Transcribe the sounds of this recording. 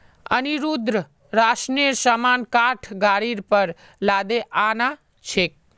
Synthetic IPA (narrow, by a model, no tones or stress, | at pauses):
ə̰niɾud̪ɾə | ɾasnesamaːnkaʈʰɡaːɾiɾpəɾ | laːd̪eʔana | t͡ʃʰek̚